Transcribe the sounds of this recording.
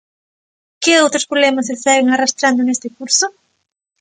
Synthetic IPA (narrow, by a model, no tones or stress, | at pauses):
kɪowt̪ɾospɾoβlɛmasesɛɣeŋarast̪ɾand̪onest̪ekuɾsʊ